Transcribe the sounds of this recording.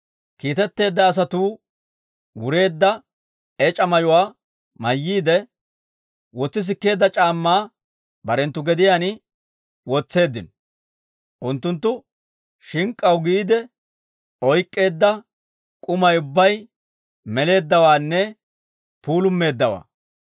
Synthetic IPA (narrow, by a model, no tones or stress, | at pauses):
kiːt̪ɛt̪ːe̞ːd̪ːɐːs̬ɐt̪uː | wʊɾe̞ːd̪ːɐ | ɛt͡ʃʼɐmɐjʊwaː | mɐjːiːd̪ɛ | wɔt͡sːɪs̬ɪkːe̞ːd̪ːɐt͡ʃʼaːmːaː | bɐɾɛnt̪ːʊɡɛd̪ɪjaːnɪ | wɔt͡sːe̞ːd̪ːɪnɔ | ʔʊnt̪ːʊnt̪̬ːʊ | ʃɪŋkʼːɐwɡiːd̪ɛ | ɔjkʼːe̞ːd̪ːɐ | kʼʊmɐjʊbːɐj | mɛle̞ːd̪ːɐwaːnːɛ | puːlʊmːe̞ːd̪ːɐwa̰ː